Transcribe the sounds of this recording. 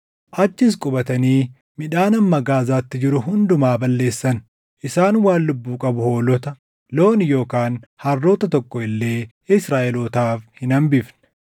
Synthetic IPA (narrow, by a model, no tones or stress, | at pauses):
ʔɐt͡ʃːɪs̬kʼʊbɐt̪ɐniː | mɪᶑaːnɐmːɐɡaːzaːt̪ːɪd͡ʒɪɾʊɦʊnd̪ʊmaːbɐlːe̞ːsːɐn | ʔɪsaːnwaːnlːʊbːuːkʼɐbʊho̞ːlɔt̪ɐ | lo̞ːnjo̞ːkaːnhɐrːo̞ːt̪ɐt̪ɔkːɔɪlːe̞ː | ɪsɾaːʔɛloːt̪aːfhɪnɐmbɪfn̥